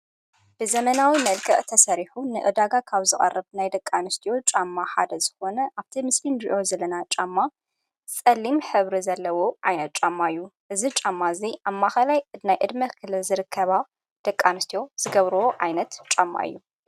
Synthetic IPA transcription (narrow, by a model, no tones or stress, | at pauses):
b̥ɨzɐmɐnawimɐlkʰɐʔʼt̪ʰɐsɐɾiħunɨʔɨd̪aɡakʰaβzɨxʼɐ̰rːɨβnajd̪ɐkʼːanɨst̪ʰijo̞t͡ʃʼamːaħa̰d̪ɐzɨxo̞nɐʔaβt̪ʰimɨslind̪iʔo̞zɐlːɐnat͡ʃʼamːa | t͡sʼɐlːimħɨβɾizɐlːɐwo̞ʕajnɐt̪̚t͡ʃʼamːaɨjːuʔɨzit͡ʃʼamːaziʔamːaxɐlajnajʔɨd̪mɐkʰɨlɨlzɨɾɨkʰːɐβa | d̪̥ɐkʼːanɨst̪ʰijo̞z̥ɨɡɐβɾɨwoʕajnɐt̪t͡ʃʼamːa̰ʔɨ̰jːu